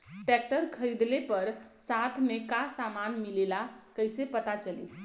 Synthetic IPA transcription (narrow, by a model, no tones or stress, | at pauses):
ʈɛk̚ʈəɾkʰəɾid̪lepəɾ | sat̪ʰmekasamanmilelakəjsepət̪at͡ʃəlḭ